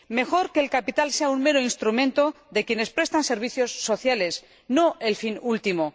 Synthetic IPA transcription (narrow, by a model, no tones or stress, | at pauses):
me̞xo̞ɾke̞ːlkapit̪alse̞aunme̞ɾoinst̪ɾumẽ̞nt̪o̞ | ðe̞kje̞ne̞spɾe̞st̪anse̞ɾβ̞iθjo̞sːo̞θjale̞s | noʔe̞lfinult̪imo